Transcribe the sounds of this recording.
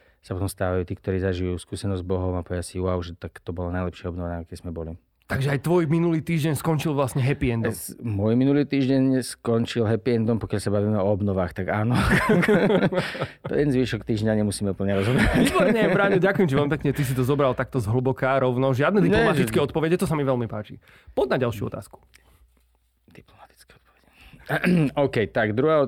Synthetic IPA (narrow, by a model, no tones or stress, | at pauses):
sapɔt̪ɔmst̪aːʋajuːt̪iːkt̪ɔɾiːzaʒijuːskuːsɛnɔzzbɔɦɔmapɔʋɪasiuaʊʒɛt̪akt̪ɔbɔlanajlɛpʃɪaɔbnɔʋɛnakkɛzmɛbɔli | t̪aɡʒɛajt̪ʋɔjminuliːt̪iːʒɟɛɲskɔnt͡ʃilˠʋlasɲɛɦɛpiɛnd̪ɔmmɔjminuliːt̪iːʒɟɛɲskɔnt͡ʃilɦɛpiɛnd̪ɔmpɔkɪjalsabaʋiːmɛɔɔbnɔʋaːxt̪aɡaːnɔ | ɛɛnzʋiːʃɔkt̪iːʒɲaɲɛmusiːmɛupl̩ɲɛɾɔzɦɔbɾɛaʋiːbɔɾɲɛbɾaːɲɛɟakujɛmt͡ʃiʋɛlmipɛkɲɛt̪is̬it̪ɔzɔbɾalˠt̪ak̚t̪ɔzɦl̩bɔkaːɾɔʊnɔʒɪad̪nɛd̪iɲlɔmatt̪it͡skɛɔt̪̚pɔʋɛɟɛt̪ɔsamiʋɛlmipaːt͡ʃḭ | pɔd̪̚naɟalʃɪuɔ̰t̪a̰ːsku̥ | d̪̥iplɔmat̪i̥t͡skɛɔt̪̚pɔʋɛɟɛ | ɔkɛjt̪aɡd̪ɾuɦaːɔ